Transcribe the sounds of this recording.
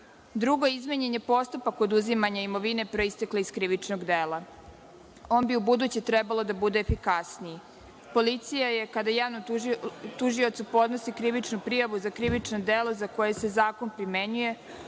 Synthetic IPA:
d̪ɾuɡoizmeɲeɲe̞po̞st̪upako̞d̪uzimaɲaimo̞ʋine̞pɾoist̪e̞kleiskɾiʋit͡ʃnoɡd̪eːla | o̞ːnbiubud̪uːt͡ɕet̪ɾebalˠo̞d̪abud̪e̞ːfikasnii | po̞lit̪sijajekad̪ajaːʋnot̪uʒio̞t̪supo̞d̪no̞sikɾiʋit͡ʃnupɾijaʋuzakɾiʋit͡ʃnod̪elˠo̞zako̞je̞se̞zaːko̞npɾime̞ɲuje̞

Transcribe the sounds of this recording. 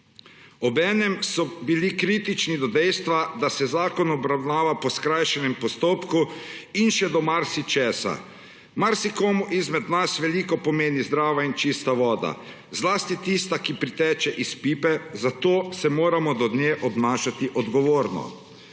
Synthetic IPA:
ɔbɛːnɛmsɔbilikɾiːt̪it͡ʃnid̪ɔd̪ɛjst̪ʋad̪asɛzaːkɔnɔbɾawnaːʋapɔskɾajʃɛnɛmpɔst̪oːpkuinʃɛd̪ɔmaɾsit͡ʃɛːsa̰ | maɾsikoːmuʔizmɛd̪nasʋɛliːkɔpɔmeːnizd̪ɾaːʋaint͡ʃist̪aʋɔːd̪a̰ | zlaːst̪it̪ist̪akipɾit̪ɛːt͡ʃɛʔispiːpɛzat̪oːsɛmoːɾamɔd̪ɔd̪njeːʔɔbnaːʃat̪iʔɔd̪ɡɔʋoːɾnɔ̰

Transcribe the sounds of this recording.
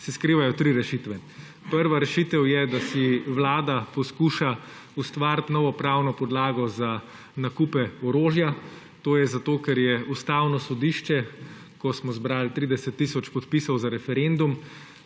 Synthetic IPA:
siskɾiːʋajɔt̪ɾiɾɛʃit̪ʋɛ | pəɾʋaɾɛʃit̪ɛwjɛd̪asiʋlaːd̪apɔskuʃa | ust̪ʋaɾt̪nɔːʋɔpɾawnɔpɔd̪laːɡɔza | nakupɛɔɾoːʒja | t̪oːjɛzat̪oːkɛɾjɛust̪aːwnɔsɔd̪iːʃt͡ʃɛ | kɔsmɔzbɾaːlt̪ɾid̪ɛsɛt̪ːisɔt͡ʃpɔt̪pisɔwzaɾɛfɛɾend̪um

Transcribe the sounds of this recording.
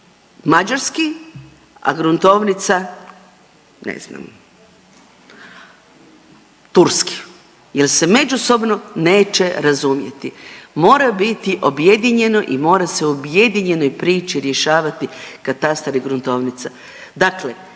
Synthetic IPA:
mad͡ʒaɾski | a̰ɡɾunt̪o̞ʋnit̪sa | nḛzna̰m | t̪uɾski̥ | jelse̞me̞d͡ʒuso̞bno̞ne̞ːt͡ʃe̞ɾazumje̞̰t̪imo̞ːɾabit̪iʔo̞bje̞d̪iɲe̞no̞ʔimo̞ːɾase̞uobje̞d̪iɲe̞no̞jpɾiːt͡ʃiɾje̞ʃaːʋat̪ikat̪ast̪aɾiɡɾunt̪o̞ʋnit̪sa | d̪akle

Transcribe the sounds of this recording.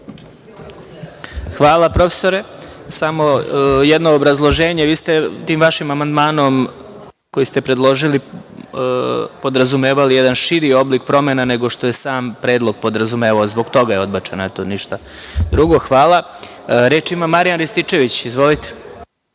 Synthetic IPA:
xʋaːlˠapɾo̞fe̥soɾesamo̞jɛd̪noːbɾazlˠo̞ʒe̞ːɲeʋiːst̪et̪iːmʋaʃimamand̪maːno̞m | ko̞jist̪epɾed̪lˠo̞ʒili | po̞d̪ɾazume̞ːʋalijed̪anʃiɾio̞blik̚pɾo̞menaneɡo̞ʃt̪o̞je̞saːmpɾeːd̪lˠo̞ɡ̚po̞d̪ɾazume̞ːʋaozboɡt̪o̞ɡajeo̞d̪bat͡ʃenoet̪oniʃt̪a | d̪ɾuɡo̞xʋaːla | ɾeːt͡ʃimamaɾijanɾist̪it͡ʃe̞ʋit͡ɕizʋo̞lit̪e̥

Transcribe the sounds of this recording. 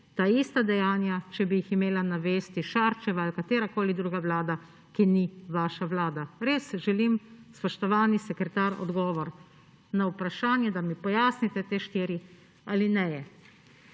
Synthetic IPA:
t̪aːist̪ad̪ɛjaːnjat͡ʃɛbijiximeːlanaʋeːst̪iʃaɾt͡ʃɛʋaːlkat̪eːɾakoːlid̪ɾuːɡaʋlaːd̪a | kiniʋaːʃaʋlaːd̪aɾeːsʒɛlimspɔʃt̪ɔʋaːnisɛkɾɛt̪aɾɔ̰d̪ɡɔːʋɔɾ | naupɾaʃaːnjɛd̪amipɔjaːsnit̪ɛt̪eːʃt̪iːɾi | alinɛjɛ

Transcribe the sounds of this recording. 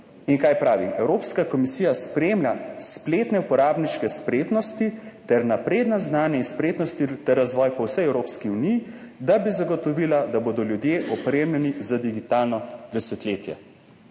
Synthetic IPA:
iŋkaːjpɾaːʋiɛwɾoːpskakɔmisiːjaspɾeːmlʲaspleːt̪nɛupɔɾaːbniʃkɛspɾeːt̪nɔst̪it̪ɛɾnapɾeːd̪naznaːnjɛinspɾeːt̪nɔst̪it̪ɛɾːazʋɔːjpɔwsɛjɛwɾoːpskiunijid̪abizaɡɔt̪ɔʋiːlad̪aboːd̪ɔljud̪jeʔɔpɾemlʲɛnizad̪iɡit̪aːlnɔd̪ɛsɛt̪leːt̪jɛ̰

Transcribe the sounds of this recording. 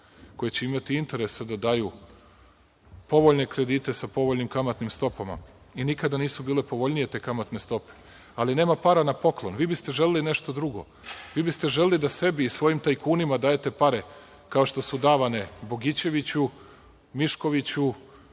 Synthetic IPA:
ko̞jet͡ɕeimat̪iint̪e̞ɾe̞sad̪ad̪aːju | po̞ʋo̞ʎne̞kɾe̞d̪iːt̪e̞sapo̞ʋoʎnimkamat̪nimst̪o̞pama̰ | inikad̪aniːsubiːle̞po̞ʋo̞ʎnije̞t̪eːkamat̪ne̞st̪o̞pe̥ | aline̞ːmapaːɾanapo̞klˠo̞nʋiːbist̪e̞ʒe̞leline̞ʃt̪o̞d̪ɾuɡo̞̰ | ʋiːbist̪e̞ʒe̞lelid̪ase̞biːsʋo̞jimt̪ajkuːnimad̪aːje̞t̪e̞paɾe̞ | kao̞ʃt̪o̞sud̪aːʋane̞bo̞ɡit͡ɕe̞ʋit͡ɕu | miʃko̞ʋit͡ɕu

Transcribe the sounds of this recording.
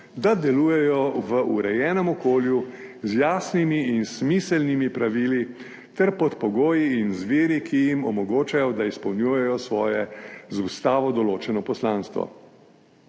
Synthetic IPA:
d̪ad̪ɛluːjɛjɔʋəʔuɾɛjɛːnɔmɔkoːljuzjaːsnimiinsmiːsəlnimipɾaʋiːli | t̪ɛɾpɔt̪pɔɡoːjiinzʋiːɾikʰijimɔmɔɡoːt͡ʃajɔd̪aispɐwnʲjuːjɛjɔsʋɔːjɛzust̪aːʋɔd̪ɔloːt͡ʃɛnɔpɔslaːnst̪ʋɔ̰

